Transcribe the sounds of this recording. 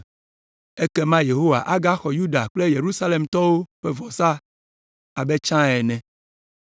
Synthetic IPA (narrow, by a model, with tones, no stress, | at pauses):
e˦kɛ˦mã˦je˨ɦo˦wa̰˨ʔa˦ɡa˦xɔ˨ju˦ɖa˨k͡ple˦je˨ɾu˦sa˦le˨mt̪ɔ˦wo˦ɸe˦vɔ˨sa˦ | a˨be˦t͡ʃã˦ɛ˨nɛ̃˨